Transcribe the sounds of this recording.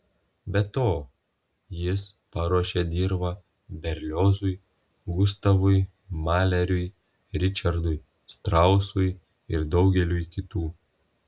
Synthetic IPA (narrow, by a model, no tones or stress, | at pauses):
bʲɛt̪oː | jɪspɐɾuɔʃʲeːd̪ʲiːɾbɐ | bʲɛɾʲlʲoːzʊj | ɡʊst̪ɐʋʊj | mɑːlʲɛɾʲʊɪ | ɾʲɪt͡ʃʲɐɾd̪ʊj | st̪ɾɐʊsʊj | ɪɾd̪ɒʊɡʲɛlʲuːjkʲɪt̪uː